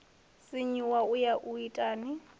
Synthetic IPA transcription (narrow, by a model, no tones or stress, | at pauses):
sɪɲiwaʊjaʔuitʼaːnɪ